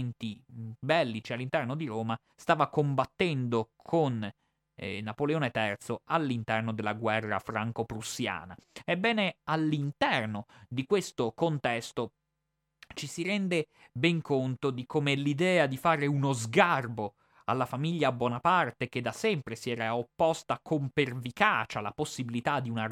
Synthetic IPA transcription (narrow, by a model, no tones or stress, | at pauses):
nt̪ibɛlːit͡ʃialːint̪ɛrnod̪iɾoːma | st̪aːvakombat̪ːɛnd̪okʰonː | apoleoːnet̪ɛrt̪soalːint̪ɛrnod̪elːaɡwɛrːa̰fɾaŋkopɾusːja̰ːnaebːɛːnealːint̪ɛrnod̪ikwest̪okont̪ɛst̪o | t͡ʃisiɾɛnd̪e | bɛŋkont̪od̪ikomelid̪ɛːad̪ifaːɾeunozɡarbo | a̰lːafamiʎːaːbːwɔːnapart̪ek̟ed̪ːasɛmpɾesiɛːɾaopːost̪akʰompervikaːt͡ʃalaposːibilit̪ad̪iuna